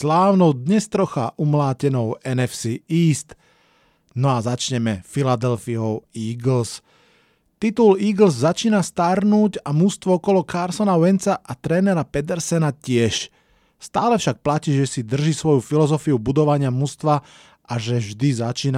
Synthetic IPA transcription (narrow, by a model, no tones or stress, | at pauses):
slaːʊnɔʊd̪ɲɛst̪ɾɔxa̰ʔumlaːcɛnɔʊɛnɛfsiiːst̪ | nɔazat͡ʃɲɛmɛfilad̪ɛlfiɔʊiːɡl̩s | t̪it̪uliːɡl̩zːat͡ʃiːnast̪aɾnuːɟamust̪ʋɔɔkɔlɔkaɾsɔnawɛnt͡saʔat̪ɾɛːnɛɾapɛt̪̬ɛɾsɛnacɪɛʃ | st̪aːlɛfʃak̚placiːʒɛsid̪r̩ʒisʋɔjufilɔzɔfiubud̪ɔʋaɲɪamust̪ʋa | ʔaʒɛʒd̪izat͡ʃiːna